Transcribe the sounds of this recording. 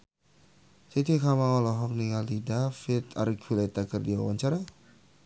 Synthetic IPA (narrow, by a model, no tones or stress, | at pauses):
sit̪ikamaŋɔlɔɦɔk̚niŋalidafɪt̪a̰rɡʰulat̪akərdiwa̰waɲt͡ʃaɾa